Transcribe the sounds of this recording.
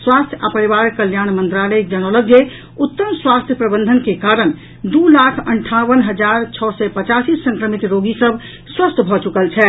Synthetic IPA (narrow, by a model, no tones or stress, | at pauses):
swast̪ʰja̰pəɾibaɾkəljañmənt̪ɾaləjd͡ʒənɔləɡje | ut̪ːəmswast̪ʰjəpɾəbənd̪ʱənkekaɾən | d̪ulakʰə̰ɳʈʰaʋənɦəd͡ʒaɾt͡ʃʰɔsɛpət͡ʃasisə̃ŋkɾəmit̪ɾoɡisəbʱ | swəst̪ʰbʱɔt͡ʃukəlt͡ʃʰɛ